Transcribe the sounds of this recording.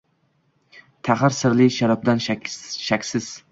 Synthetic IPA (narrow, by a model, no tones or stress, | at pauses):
t̪ʰaχaɾsɪɾlɪʃaɾɒp̚d̪anʃakʲsɪz̥